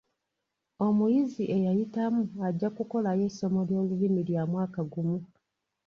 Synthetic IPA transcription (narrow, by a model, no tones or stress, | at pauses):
o̞mujiziʔe̞jajitamuaɟːakuko̞laje̞so̞mo̞ljo̞ːlulimiljamwaːkaɡumu